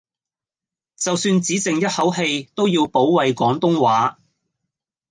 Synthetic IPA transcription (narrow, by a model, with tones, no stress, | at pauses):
t͡sɐ˨wsyː˧nt͡siː˨˥t͡sɪ˨ŋjɐ˥t̚hɐ˨˥wɦe˧jt̪o˥wjiː˧wpo˨˥wwɐ˨jkɔː˨˥ŋt̪ʊ˥ŋwaː˨˥